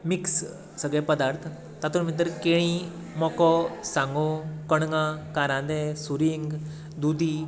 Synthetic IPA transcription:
miks | səɡɭɛ̃pəd̪aɾt̪ʰ | t̪at̪unmint̪̬əɾkeɽ̃i | mɔkɔsãŋɡokəɽ̃ŋãkaɾãd̪ɛsuɾiŋɡ | d̪ud̪ʱi

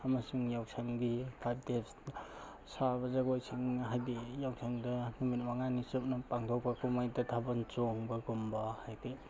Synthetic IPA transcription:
amasuŋjawsʰaŋɡipʰajb̚dep | sabɐzaɡojsiŋɦajdijawsʰaŋdɐnumit̚maŋanisup̚nɐpaŋtʰok̚pʰɐkumajdɐtʰabant͡ʃoŋbɐɡumbɐhajdi

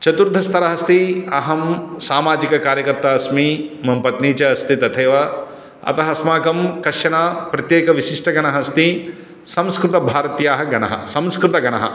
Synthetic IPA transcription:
t͡ʃɐt̪uɾd̪ʱɐst̪ʰɐɾɐɦɐst̪iɐɦɐmsaːmaːd͡ʒikɐkaːɾjɐkɐɾt̪aɐsmimɐmpɐt̪niːt͡ʃɐːst̪ʰit̪ɐt̪ʰeːʋɐ | ɐ̰t̪ɐɦɐsmaːkɐmkɐʃɐnaːpɾɐt̪jeːkɐʋiʃiʂʈʰɐɡɐnɐɦɐst̪i | sɐ̃mskɾut̪ɐbʱaːɾɐt̪jaːɦɐɡɐnɐ̰ɦɐ̰sɐ̃mskɾut̪ɐɡɐnɐɦɐ̰

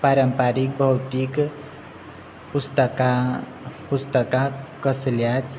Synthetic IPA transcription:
paɾəmpaɾik̚bʱʌwt̪ik | pust̪əka | pust̪əkakʌsljat͡ʃ

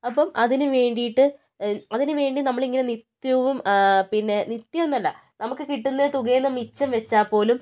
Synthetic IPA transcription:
ɐpːɐmʔɐðinɨʋe̞ːɳɖijiʈːɨ | ɐðinɨʋe̞ːɳɖinɐmːɐɭiŋːɐnenit̪jɐʋumpinːe̞nit̪jɐʋenːɐlːɐ | nɐmukːɨkiʈːunːɐt̪uɣɐːnːɐmːit͡ɕːɐmʋet͡ɕːaːpːo̞ːlum

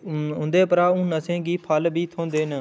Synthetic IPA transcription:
ʊ̃nd̪eːpəɾaːũːnəsẽːɡiːpʰaːlbʱiːt̪ʰõːnd̪eːnə

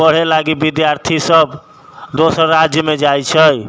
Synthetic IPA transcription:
əɽ̤elaɡibid̪jaɾt̪ʰisəb | d̪osɾɾad͡ʒjəmed͡ʒajt͡ʃʰəj

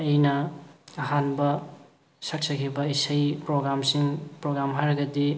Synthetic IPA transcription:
ɐjnɐɐɦanbɐ | sɐk̚sʰɐkʰibɐisɐjpɾoɡɾamsiŋpɾoɡɾamɦaɾɐɡɐdi

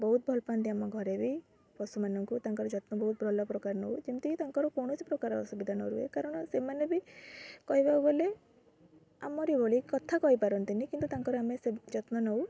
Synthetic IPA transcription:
bɔɦut̪̚bʱɔlpant̪iamɔɡʱɔɾebi | pɔsumanɔŋkut̪aŋkɔɾɔd͡ʒɔt̪nɔbɔɦut̪̚bʱɾɔlɔpɾɔkaɾnɔwd͡ʒimt̪iit̪aŋkɔɾɔkɔwɽ̃ɔsipɾɔkaɾɔɔsubid̪ʱanɔ̰ɾuḛkaɾɔɽ̃ɔsemanebikɔɦibawbole | a̰mɔɾibʱoɭikɔt̪ʰakɔɦipaɾɔnt̪inikint̪ut̪aŋkɔɾɔamesed͡ʒɔt̪nɔnɔw

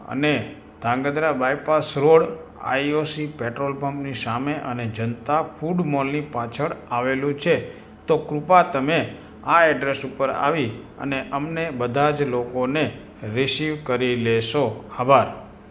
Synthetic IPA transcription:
ə̰ne | d̪̥ʱãŋɡəd̪ɾabajpasɾoɽ | a̰iosipeʈɾolbəmpnisameʔəned͡ʒənt̪afʰuɖmolnipat͡ʃʰəɭaʋelũt͡ʃʰe | t̪okɾupat̪əme | aɛɖɾesupəɾa̰ʋi | ə̰neʔəmnebəd̪ʱad͡ʒlokone | ɾisiʋkəɾileʃoabʱaɾ

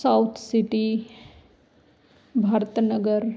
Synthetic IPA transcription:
saʊt̪ʰsɪʈi | bʱaːɾət̪nəɡəɾ

